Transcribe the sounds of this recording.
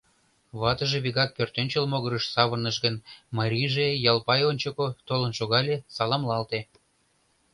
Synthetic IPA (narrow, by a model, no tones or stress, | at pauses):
βɑt̪əʒeβiɣɑk̚pørt̪ønʲt͡ɕəlmoɣəɾəʃsɑβərnəʃɡənmɑɾʲiʒejɑlpɑjonʲt͡ɕokot̪olənʃoɣɑlʲesɑlɑmlɑlt̪e